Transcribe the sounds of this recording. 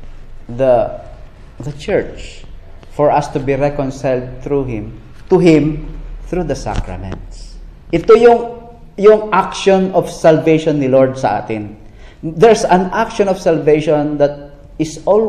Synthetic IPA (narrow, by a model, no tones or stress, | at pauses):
d̪ɐ | d̪ɐt͡ʃɛɹt͡ʃ | fɔɹɐst̪ubiɹɛkɔ̃nsajld̪̚t̪ɾuɦɪ̃m | t̪uɦɪ̃mθɹud̪ɐsa̰kɹɐ̰mɛ̰̃nt̪s | ʔɪt̪ujʊŋ | jʊŋʔak̚ʃɔ̃nɔfsalvejʃɔnːɪlɔɹd̪̚sɐʔa̰ːt̪ɪn | d̪ɛɹsɐ̃nak̚ʃɔ̃nɔfsalvejʃɔ̃nd̪ɐt̪̚ | ɪsɔl